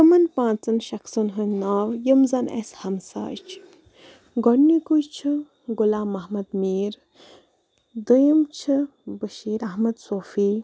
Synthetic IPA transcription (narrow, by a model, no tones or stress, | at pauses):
t̪ɨmɐnpãːt͡sɨnʃɐksɨnɦɨnnaːwjəmzɐnḛshɐmsa̰ːt͡ʃʰ | ɡɔnːikujt͡ʃʰɨ | ɡulaːmːɐɦmɐd̪miːɾ | d̪əjəmt͡ʃʰi | bəʃiːɾɐɦmɐd̪soːfiː